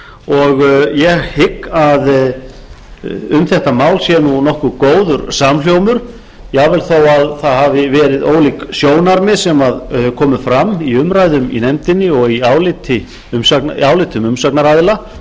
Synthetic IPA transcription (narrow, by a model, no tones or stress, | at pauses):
ɔɣjɛɣhɪkːað | ʏmθɛht̪amaːwlsjɛnunɔhkʏkoːwðʏɾsaml̥jowmʏɾ̥ | jɛvɪlθoːwaðθaðhavɪvɛːɾɪðo̰ːwliksjoːwnaɾmɪsɛmaðkʰɔːmʏfɾamːiʏmɾaːjðʏmḭnɛmt̪ɪnːɪɔɣiaːwlɪt̪ʰɪ | ʏmsaknaːwlɪːt̪ʰʏmʏmsaknaɾaðɪla